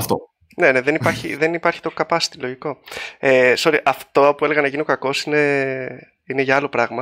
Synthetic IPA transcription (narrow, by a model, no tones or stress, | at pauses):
ɐft̪o̰ | ne̞neðenipɐɾçḭðenipɐɾçi̥t̪o̞kɐpɐst̪ilo̞ʝiko̞eso̞ɾiʔɐft̪o̞opue̞leɣɐnɐʝinio̞kɐko̞sine̞ | ine̞ʝɐɐlo̞pɾɐɣmɐ